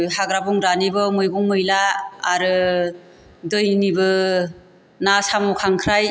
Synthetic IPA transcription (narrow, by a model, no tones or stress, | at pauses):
haɡɾabɔŋɾanibɯmɯjɡɔŋmɯjlaːɾɯ | dɯjnibɯ | nasamɔkʰaŋkʰɾaj